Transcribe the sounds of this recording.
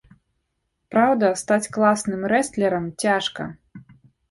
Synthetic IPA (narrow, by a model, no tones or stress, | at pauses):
pɾawd̪ɐst̪at͡sʲklˠasnɨmɾɛst̪lʲɛɾɐmt͡sʲaʂkɐ̰